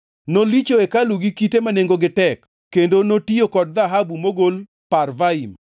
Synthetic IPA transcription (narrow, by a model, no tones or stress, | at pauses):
nolit͡ʃoekaluɡikitemaneŋɡoɡɪtɛkːendonotiokɔd̚ðaɦabumoɡol | parvaim